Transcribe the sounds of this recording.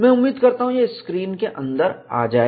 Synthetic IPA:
mɛ̃ʊmːiːd̪kɐɾt̪aɦũjeɪskɾiːnkeʔɐ̃nd̪əɾa̰ːd͡ʒaːe

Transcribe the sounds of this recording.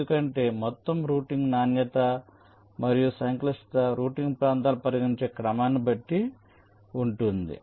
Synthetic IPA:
ukɐɳʈe̞ːmɔt̪ːɐmɾuːʈiŋɡnaːnjɐt̪ɐ | mɐɾijusɐŋklɐst̪ɐɾuːʈiŋɡpɾaːnt̪aːlupɐɾɐɡiɲt͡ʃe̞ːkɾɐmaːnibɐʈːi | uɳʈund̪ḭ

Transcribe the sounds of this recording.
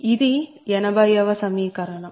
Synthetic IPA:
iðɯ | jɛnɐbɐjɐʋɐsɐmikɐɾɐnɐm

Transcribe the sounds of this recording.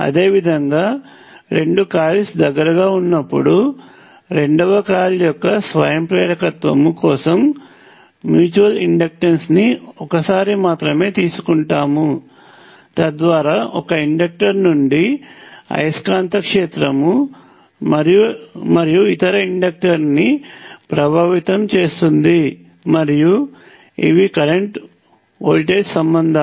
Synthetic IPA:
ɐ̰d̪e̞ːʋid̪ʱɐŋɡaː | ɾe̞ɳɖukaːlisd̪ɐɡːɐɾɐɡaːunːɐpːuɽu | ɾe̞ɳɖɐʋɐkaːljɔkːɐsʋɐ̰jɐmpɾɛːɾɐkɐt̪ʋɐmukɔːsɐmː | juːt͡ʃuʋɐliɳɖɐk̚ʈensniɔkɐsaːɾimaːt̪ɾɐme̞ːt̪iːsu̥kuɳʈaːmu | t̪ɐd̪ʋaːɾaːʔɔkɐiɳɖek̚ʈɐɾnuɳɖiɐ̰jɐskaːnt̪ɐkʂeːt̪ɾɐmu | mɐɾijumɐɾijuit̪ɐɾɐiɳɖɐk̚ʈɐɾnipɾɐbʱaːʋit̪ɐmt͡ʃe̞ːst̪und̪i | mɐɾiju | ḭʋikɐɾeɳʈ | ɐlʈeːɖsɐmbɐnd̪ʱa

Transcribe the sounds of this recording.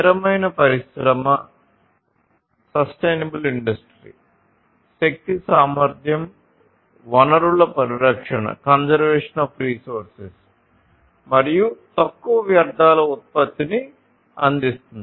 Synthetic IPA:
ɾɐmɐjnɐpɐɾiʃɾɐmɐ | sɐsʈejnɐbuliɳɖɐsʈɾḭ | sek̚t̪isaːmʋɐɾd̪ʱjɐm | ʋɐnɐɾuɭːɐpɐɾiɾɐkʂɐɳɐ̰kɐnsɐɾʋɛːʂɐnaːfɾiːsoːɾses | mɐɾijut̪ɐkːuʋɐʋjɐɾd̪ʱaːlɐut̪̚pɐt̪ːini | ɐ̰nd̪ist̪und̪i

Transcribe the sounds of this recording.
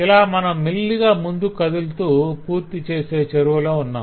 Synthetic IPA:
ilaːmɐnɐmːilːiɡaːmund̪ukɐd̪ult̪uːpuːɾt̪it͡ʃe̞ːse̞ːt͡ʃɐɾuʋɐloːunːa̰ː

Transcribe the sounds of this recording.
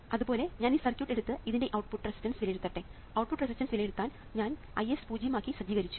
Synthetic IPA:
ɐðubo̞ːle̞ɲaːniːsɐrkʲjuːʈːe̞ɽut̪ːɨiðinde̞ʔɐwʈpuʈːresi̥stɐnsʋilɐjeɽut̪ːɐʈːe̞ | ɐwʈ̚puʈːres̬isʈɐnsʋilɐjeɽut̪ːaːn | ɲaːn | ɐjespuːd͡ʑɐjɐmaːkːisɐd͡ʑiːɣɐɾit͡ɕːu̥

